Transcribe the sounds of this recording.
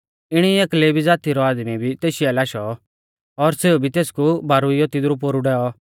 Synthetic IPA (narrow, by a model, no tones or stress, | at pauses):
ɪɽ̃ieːklebʱid͡zaːt̪iɾɔaːd̪mibʱit̪eːʃɪalaːʃɔ | ɔɾseːubʱit̪eːskubʱaːɾuɪjɔt̪ɪd̪ɾup̬oːɾuɖɛːɔ